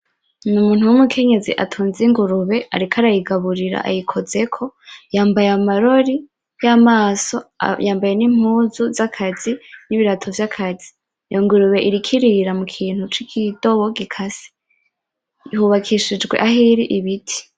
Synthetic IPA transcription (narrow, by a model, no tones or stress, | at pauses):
numuːn̥uwumukʰe̞ɲe̞ziʔa̰tʰuːnziŋɡuɾuβe̞a̰ɾikʰaɾajiɡaβuɾiɾa̰ʔa̰jikʰo̞ze̞kʰo̞jaːmbajamaɾo̞ɾi | jamaːso̞̰jaːmbaje̞nim̥uzuzakʰaziniβiɾatʰovjakʰazi̥ | jʔoŋɡuɾuβe̞ʔiɾikʰiɾiɾamukʰiːn̥hut͡ʃikʰido̞βoɡikʰasi̥ | huβakʰiʃid͡ʒɡwe̞̰ʔaɦiɾiʔiβitʰi̥